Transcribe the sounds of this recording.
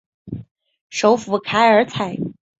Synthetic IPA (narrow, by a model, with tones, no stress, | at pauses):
ʂo˧˥ʊfu˧˥kʰa˧˥ɪə˞˧˥t͡sʰa˨˩˦ɪ